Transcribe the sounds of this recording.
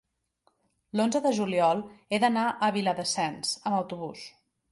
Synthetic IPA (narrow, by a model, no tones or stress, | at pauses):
lonzəðəʒuliɔlˠeðənaʔəβiləðəsɛnsəməwt̪uβ̞us